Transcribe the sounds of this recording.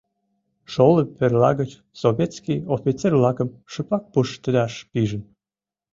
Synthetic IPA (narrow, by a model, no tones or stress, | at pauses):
ʃoləperlɑɣət͡ɕ | soβʲet̪skijofʲit͡servlɑkəmʃɨpɑk̚puʃt̪ə̆d̪ɑʃpiʒən